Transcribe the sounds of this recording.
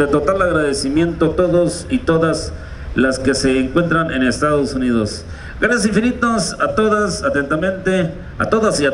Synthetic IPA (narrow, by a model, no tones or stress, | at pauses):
et̪o̞t̪alaɣɾaðesimje̞nt̪ot̪o̞ðosit̪o̞ðas | laske̞se̞ːŋkwe̞nt̪ɾanenest̪aðosuniðo̞s | ɡanes̬iɱfinit̪osat̪oðasat̪ent̪amẽ̞nt̪e | a̰t̪o̞ðasia